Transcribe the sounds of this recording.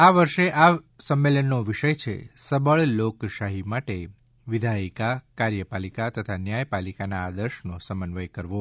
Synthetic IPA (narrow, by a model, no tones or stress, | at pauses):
aʋəɾʃeʔa | səmːelənːoʋiʃəjt͡ʃʰḛsəbəɭlokʃaɦimaʈe | ʋid̪ʱaikakaɾjəpalikat̪ət̪ʰanjajpalikanaːd̪əɾʃnosəmənʋəjkəɾʋo